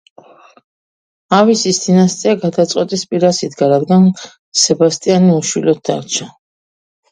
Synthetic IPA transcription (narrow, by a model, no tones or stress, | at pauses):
avisist̪inast̪sʼiaɡad̪at̪sʼqʼwɛt̪ʼispʼiɾasit̪ʰɡaɾad̪ɡan | sɛbast̪ʼianiuʃwilɔt̪̚d̪a̰ɾt͡ʃʰa